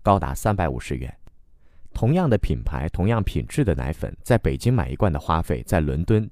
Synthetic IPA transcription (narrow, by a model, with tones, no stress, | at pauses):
kɑ˥ʊt̪a̰˧˥sa˥npa˧˥ɪṵ˨˩ʂɻ̩˧˥ɥɛ̰˧˥˦n | t̪ʰʊ˧˥ŋjɑ˥˩ŋd̪ə˩pʰi˨˩npʰa̰˧˥ɪt̪ʰʊ˧˥ŋjɑ˥˩ŋpʰi˨˩nʈ͡ʂɻ̩˥˩d̪ə˩na̰˧˥ɪfə̰˨˩˦nt͡sa˥˩ɪpe˨˩ɪt͡ɕi˥ŋma̰˨˩ɪḭ˧˥kwa˥˩nd̪ə˩xwa˥fe˥˩ɪt͡sa˥˩ɪlwə̰˧˥nt̪wə˥n